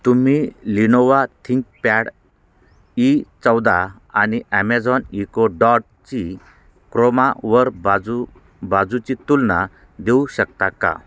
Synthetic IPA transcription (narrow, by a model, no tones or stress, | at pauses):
t̪um̤ilinɔʋat̪ʰĩŋk̚paɽ | it͡sɔwd̪a | aniɛmad͡zɔnikoɖɔʈ̚ | t͡ɕi | kɾɔmaʋəɾbad͡zu | bad͡zut͡ɕit̪ulna | d̪euɕək̚t̪aka̰